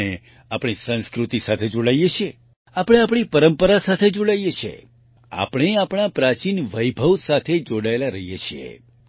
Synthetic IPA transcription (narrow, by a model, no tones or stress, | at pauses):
e | apɳ̃isə̃nskɾut̪isat̪ʰed͡ʒoɽajet͡ʃʰije | apəɽ̃eapɽ̃ipəɾəmpəɾasat̪ʰed͡ʒoɽajet͡ʃʰḛ | a̰pəɽ̃eapɽ̃apɾat͡ʃinʋəjbʱəʋsat̪ʰed͡ʒoɽaelaɾəɦijet͡ʃʰiḛ